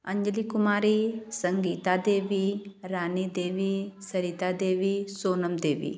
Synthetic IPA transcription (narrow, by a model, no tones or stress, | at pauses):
ɐɲd͡ʒəlikumaːɾisɐŋɡiːt̪ad̪eːʋiɾaːnid̪eːʋisɐɾiːt̪ad̪eːʋisoːnɐmd̪eːʋḭ